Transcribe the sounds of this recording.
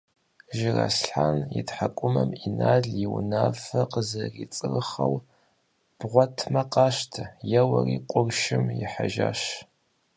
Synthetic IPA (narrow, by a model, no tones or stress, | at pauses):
ʒɪrɐsɬħanjɪtħakʷʼʊmɐminaːɮjiwnaːfɐqəzɐrit͡sʼɨrɨχɐw | b̥ʁʷɔtʰmɐqɑːʃtʰɐjɛwɐriːqʷʼʊrʃɪmjɪħaʒaːʃ